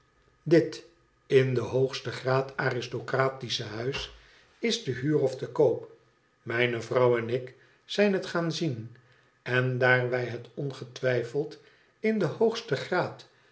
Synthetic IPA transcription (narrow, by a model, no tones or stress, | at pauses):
dɪt | ɪndəɦowχstəχraːtaːrɪstokraːtisəɦœɥs | ɪzdəɦyːrɔfdəkowp | mɛjnəvrɑwɛnɪk | sɛjnɦətχaːnzin | ɛndaːɹʋɛjɦətɔnχətʋɛjfəlˠt | ɪndəhoχstəχraːt